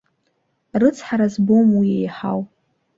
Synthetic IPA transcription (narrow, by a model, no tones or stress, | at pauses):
rɨt͡sʰħaɾazbomwiejħa̰w